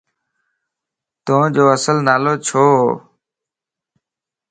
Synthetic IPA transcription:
t̪õːd͡ʒoːəsəlnaːloːt͡ʃʰoː

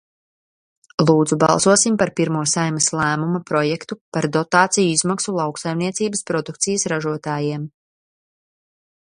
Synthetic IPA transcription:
lˠuːd̪zubɑ̰lˠsuɔsimpaɾpiɾmuɔsajmɐslˠæːmumapɾɔjɛkt̪upaɾd̪ɔt̪aːt̪sijuizmaksulˠɑwksajmniɛsiːbəspɾɔd̪uk̚t̪sijɐsɾaʒuɔt̪aːjiɛm

